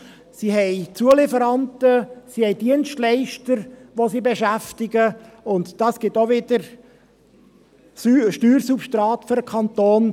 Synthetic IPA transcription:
siɦɛɪt͡suəlɪfəɾɑntəsihɛɪdiənstlɛɪʃtəɾʋosibeʃæftɪɡə | ʊntd̥ɑːsɡ̥ɪtoʋɪdəɾ | yʃtyːɾsupʃtɾɑːt̪føɾəkʰɑnt̪oːn

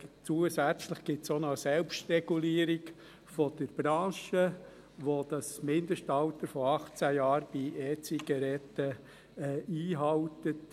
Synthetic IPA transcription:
t͡suəsæt͡sləχɡ̥ɪtsonɔsɛlpʃtɾɛɡ̥uliːəɾik | fɔd̥əɾb̥ɾɑ̃ːʃə | ʋod̪̥ɑsmɪnd̪əʃtɑltəɾfɔɑχt͡sæjɑːɾb̥iʔɛːt͡siɡ̥ɑɾɛtːə | ɛiːɦɑwtət

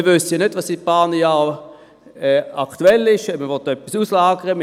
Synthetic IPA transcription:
ʋøsjanødʋɑsipaːnəjɑː | ɛaktuɛlːɪʃɛməʋɔt̚dœpːisuːslaːɡəʁəm

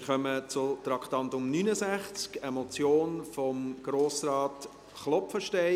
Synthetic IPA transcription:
ɪχœmət͡sʊtɾɑktɑntʊmnynəzæχt͡skɛmɔt͡sjoːnfɔmɡ̥ɾoːsrɑːt | χlɔpfəʃtɛɪ

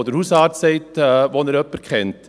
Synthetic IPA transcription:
d̪əɾhusɑːɾt̪sɛɪt̪ʋonəɾœpːəɾkʰχɛnt̪

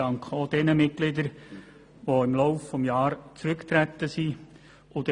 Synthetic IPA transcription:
ɑŋkχod̥̪ɛnəmɪt̚klɪd̪əɾ | ʋoɪmlɔʊfːɔmjɑːɾt͡sɾʏkt̪ɾæt̪ːəsi | ʊd̥̪

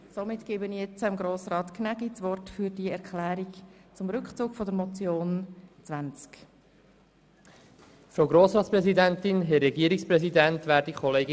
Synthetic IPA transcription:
somɪtɡ̥eːbənijɛt͡səmɡɾoːsrɑːt̪knæɡ̥it͡sʋɔrtfyːɾdiɛɾkʰχlæːɾikt͡sʊmɾʏkt͡suːkfɔdəɾmɔt͡sjoːnt͡svænt͡sk | fɾoʊɡɾoːsɾɑːt̪spɾɛzidɛntɪnɦɛːɛɡiəɾikspɾɛsidɛnt̪ʋæːɾdikʰɔleːɡɪ

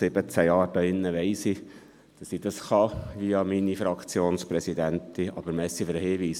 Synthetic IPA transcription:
sɪbət͡sæjɑːɾd̥ɑɪnːəʋɛɪsi | d̥ɑsid̥ɑsχɑʋiɑminifɾɑkχt͡sjoːnspɾɛsid̪ænt̪iɑ̰b̥əɾmɛsːifəɾəhɪːʋiːs

